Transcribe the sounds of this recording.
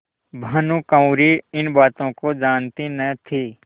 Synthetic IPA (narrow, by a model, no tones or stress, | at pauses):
bʱɐnukə̃ʊ̃ɾiɪnbaːt̪õkod͡ʒaːnt̪inət̪ʰiː